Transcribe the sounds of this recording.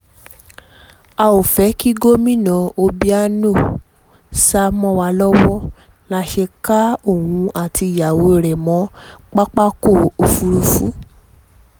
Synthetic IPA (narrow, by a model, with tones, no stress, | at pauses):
a˧o˨fɛ˨˦ki˦ɡo˦mĩ˦˨nã˨˧o˧bi˦a˦no˦˨ | sa˦mɔ̃˦wa˧lɔ˦wɔ˦ | la˧˦ʃe˧ka˦o˦˨hũ˨˧ʔa˦˨ti˧i˨ja˨wo˨˦i˨ɾɛ˨mɔ̃˨˦k͡pa˦k͡pa˦ko˦˨o˨fu˧ɾu˧fṵ˨˦